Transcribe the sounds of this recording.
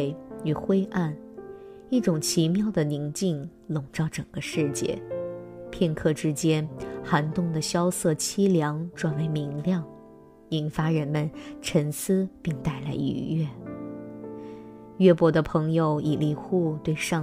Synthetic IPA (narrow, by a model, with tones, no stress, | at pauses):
ɪy˨˩xwe˥ɪʔa˥˩n | i˥˩ʈ͡ʂʊ˨˩ŋt͡ɕʰi˧˥mjɑ˥˩ʊd̪ə˩ni˧˥ŋt͡ɕi˥˩ŋ | lʊ˨˩ŋʈ͡ʂɑ˥˩ʊʈ͡ʂɤ˨˩ŋɡ̥ə˦ʂɻ̩˥˧t͡ɕjɛ̰˥˩pʰjɛ˥˧nkʰɤ˥˩ʈ͡ʂɻ̩˥t͡ɕjɛ˥nxa˧˥nt̪ʊ˥˩ŋd̪ə˩ɕjɑ˥ʊsɤ˥˩t͡ɕʰi˥ljɑ˧˥ŋʈ͡ʂwa˨˩nwe˧˥ɪmi˧˥ŋljɑ˥˩ŋ | i˨˩nfa˥ɻə˧˥nmə˨nʈ͡ʂʰə˧˥nsɹ̩˥pi˥˧ŋt̪a˥˩ɪla˧˥ɪy̰˧˥ɥɛ˥˩ | ɥɛ˥pwɔ˧˥d̪ə˧pʰɤ˧˥ŋjo˧˩ʊi˨˩li˧˩xu˥˧t̪we˥˧ɪʂɑ˥˧